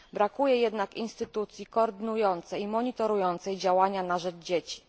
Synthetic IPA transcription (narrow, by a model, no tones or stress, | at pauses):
bɾakujɛjɛd̪nakḭnst̪ɘt̪ut̪sʲjikɔːɾd̪ɘnujɔnt̪sɛjimɔɲit̪ɔɾujɔnt̪sɛjd͡ʑawaɲanaʐɛd͡ʐd͡ʑet͡ɕi̥